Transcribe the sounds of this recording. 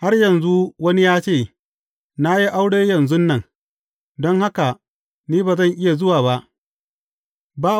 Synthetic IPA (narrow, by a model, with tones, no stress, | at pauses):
ha˦rjɐ˨nzu˦wɐ˦ni˦jaː˦t͡ʃeː˦˨ | na˦ji˦ʔa˦wɽeː˦jɐ˨nzʊ˦nːɐ˦˨ŋ | dɔ˦ŋha˦ka˨ | niː˦baː˨zɐ˦˨ŋʔɪ˦ja˨zʊ˦waː˨βa˦ʔ | baː˦